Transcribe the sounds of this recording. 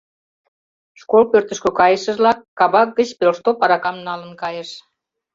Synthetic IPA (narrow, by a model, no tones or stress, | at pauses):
ʃkolpørt̪ə̆ʃkøkɑjəʃəʒlɑkːɑβɑk̚ɡət͡ɕpelʃt̪opɑɾɑkɑmnɑlənkɑjəʃ